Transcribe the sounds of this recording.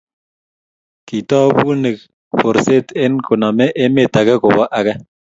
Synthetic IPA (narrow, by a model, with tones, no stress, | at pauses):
ki˨tɔ˦bu˦ne˨k | ɸo˨ɾse˦te˦nko˨na˨mɛ˦ʔe˦me˦˨ta˨kɛ˦ko˨ba˦ʔa˦kɛ˦